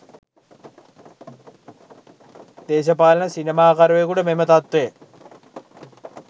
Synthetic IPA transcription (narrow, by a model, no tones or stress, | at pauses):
d̪̥eːɕɐpaːlɐnɐsinɐmaːkɐɾʋekuɽɐmemɐt̪ɐt̪ʋeː